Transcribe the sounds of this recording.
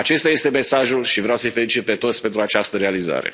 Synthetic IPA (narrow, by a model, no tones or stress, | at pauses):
at͡ʃe̞st̪aje̞st̪e̞me̞saʒulʃivɾejawsəjfe̞lit͡ʃit̪̚pe̞t̪o̞t̪sʲpe̞nt̪ɾuat͡ʃast̪əɾealiza̰ɾḛ